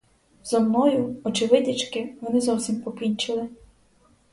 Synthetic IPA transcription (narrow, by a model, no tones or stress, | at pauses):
zɔmnɔjʊɔt͡ʃɪʋɪdʲit͡ʃkɪʋɔnɪzɔwsʲimpɔkʲinʲt͡ʃɪlˠɪ